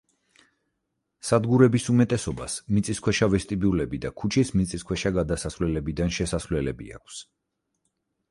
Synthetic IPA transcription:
sad̪ɡuɾɛbisumɛt̪ʼɛsɔba̰smit̪sʼiskʰwɛʃavɛst̪ʼibiulɛbid̪akʰut͡ʃʰismit̪sʼiskʰwɛʃaɡad̪asasvlɛlɛbid̪anʃɛsasvlɛlɛbḭa̰kʰs

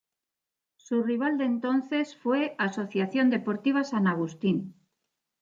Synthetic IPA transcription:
suriβ̞ald̪ent̪o̞nθe̞sfwe̞aso̞θjaθjo̞nd̪e̞po̞ɾt̪iβ̞asanaɣ̞ust̪in

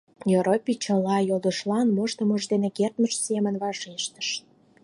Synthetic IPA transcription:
joɾopʲit͡ɕəlɑjoləʃlɑnmoʃt̪ə̆məʒd̪enekert̪məʃsemənβɑʒeʃt̪ə̥ʃ

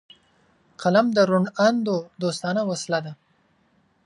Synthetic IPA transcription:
qalamd̪əɾʊɳand̪od̪ost̪ɑnawaslad̪a

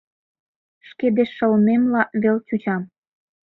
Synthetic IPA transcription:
ʃked̪eʃːɤ̆lnemlɑβelt͡ɕut͡ɕɑm

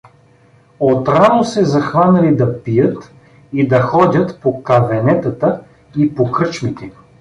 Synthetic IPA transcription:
ot̪ɾanosɛzɐxvanɐlid̪ɐpijət̪ | id̪ɐxɔd̪ʲət̪pokɐvɛnɛt̪ɐt̪ə | ipokɾɤt͡ʃmit̪ɛ

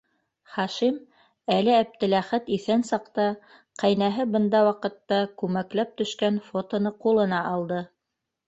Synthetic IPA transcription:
χɑʃim | ælɘæp̚t̪ɘ̆læχæt̪iθænsɑqt̪ɑ | qæjnæɦɘbɤ̆nd̪ɑwɑqɤ̆t̪ːɑkʉmæklæp̚t̪ɵ̆ʃkænfot̪ŏnɤqulˠɤ̆nɑʔɑlˠd̪ɤ

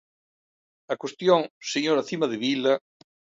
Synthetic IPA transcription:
ɐkwest̪joŋseɲoɾaθimɐðeβilɐ

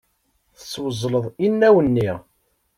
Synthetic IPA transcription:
θə̥sːwəzˤːləðˤinːæwənːiʁ

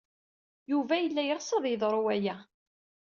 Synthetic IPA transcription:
juvæjəlːæjəʁsˤɑðˤjəðˤɾˤuwæjæ

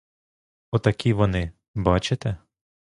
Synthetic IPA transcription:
ɔt̪ɐkʲiʋɔnɪ | bɑt͡ʃet̪ɛ

